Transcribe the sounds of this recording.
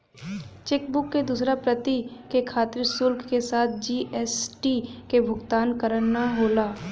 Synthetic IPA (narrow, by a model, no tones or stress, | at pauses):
t͡ʃɛk̚bʊkːed̪uːsɾapɾət̪ikekʰaːt̪ɪɾsʊlkʰkesaːt̪̚ʰd͡ʒiːʔɛːsʈikebʱʊɡt̪aːnkəɾənːaɦoːlaː